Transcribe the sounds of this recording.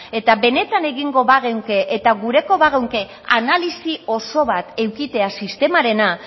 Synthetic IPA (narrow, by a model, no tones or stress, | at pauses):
e̞t̪aβe̞ne̞t̪ane̞ɣiŋɡo̞βaɣewŋke̞ʔet̪aɣuɾe̞ko̞βaɣewŋke̞ | analisio̞so̞βat̪e̞wkit̪e̞asist̪e̞maɾe̞na